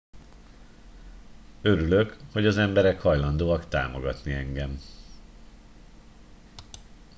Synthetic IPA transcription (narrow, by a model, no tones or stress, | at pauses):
øɾylø̞kho̞ɟɒzɛmbɛɾɛkhɒjlɒnd̪oːɒkt̪a̰ːmo̞̰ɡɒt̪niɛŋɡɛm